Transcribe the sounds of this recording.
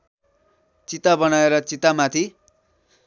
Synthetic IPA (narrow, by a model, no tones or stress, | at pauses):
t͡sit̪abʌnaeɾʌt͡sit̪amat̪ʰi